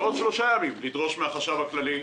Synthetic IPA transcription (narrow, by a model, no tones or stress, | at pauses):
odʃlo̞ʃajamimlid̪ʁo̞ʃmeaχaʃavhaklali